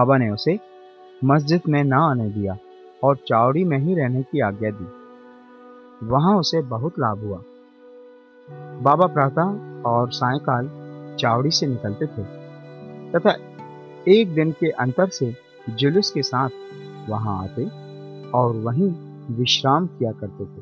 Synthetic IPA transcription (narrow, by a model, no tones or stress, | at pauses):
baːbaneʊse | mɐs̬d͡ʒɪd̪mẽnɐaːned̪ijaː | ɔːɾt͡ʃaːʋɽimẽɦiɾɛɦnekiaːɡjad̪iː | ʋɐɦãʊsebɐɦʊt̪laːbʱɦʊaː | baːbapɾaːt̪aɔːɾsãːj̃ẽkaːlt͡ʃaːwɽisenɪkəlt̪et̪ʰe | t̪ɐt̪ʰa | eːk̚d̪ɪnkeʔɐ̃nt̪əɾse | d͡ʒʊlʊskesaːt̪ʰ | ʋɐɦãa̰ːt̪e | ɔːɾʋɐɦĩ | ʋɪʃɾaːmkijakɐɾt̪et̪ʰeː